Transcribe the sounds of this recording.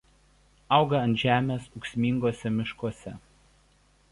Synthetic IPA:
ɐʊɡɐɐnt̪ʒʲæːmʲeːsʊksʲmʲɪŋɡoːsʲɛmʲɪʃkoɔsʲɛ

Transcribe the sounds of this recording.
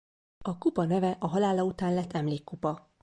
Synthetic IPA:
ɒkupɒnɛvɛʔɒɦɒlaːlɒut̪aːnlɛt̪ʰːɛmleːkːupɒ

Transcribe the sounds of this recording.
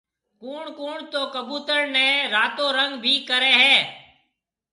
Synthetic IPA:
kuːɳkuːɳt̪oːkəbuːt̪əɾnɛ̃ːɾaːt̪oːɾəŋɡbʱiːkəɾeːɦɛː

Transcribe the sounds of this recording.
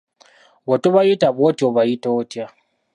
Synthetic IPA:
wotoβajitaβotoβajitotja

